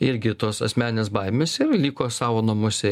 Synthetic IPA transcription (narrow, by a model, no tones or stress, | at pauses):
ɪɾʲɡʲɪt̪oːsɐ̰sʲmʲæːnʲɪnʲeːsbɐɪmʲeːsɪrlʲiːkoːsɑːʋoːnɐmʊsʲɛ